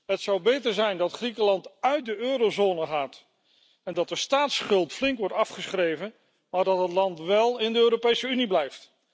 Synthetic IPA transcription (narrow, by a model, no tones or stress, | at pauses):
ɦətsɑwbejtəɹzɛjndɑtχrikəlɑntœɥt̚dəøːɾozoːnəχaːt | ɛndɑt̚dəstaːtsχɵlˠtflɪŋkʋɔɹtɑfχəsχrejvən | maːɹdɑtɦətlɑntʋɛlˠɪndəøːɾopejsəyniblɛjft